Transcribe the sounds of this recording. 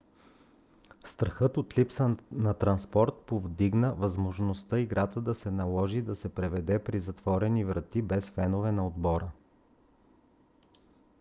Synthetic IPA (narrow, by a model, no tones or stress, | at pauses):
st̪ɾɐxɤt̪ot̪lipsənɐt̪ɾɐnspɔɾt̪̚povd̪iɡnəvɐzmoʒnost̪ɤiɡɾʔat̪əd̪ɐsɛnɐlˠɔʒid̪ɐsɛpɾɛvɛd̪ɛpɾizɐt̪v̥ɔɾɛnivɾɐt̪ibɛsfɛnovɛnɐod̪bɔɾə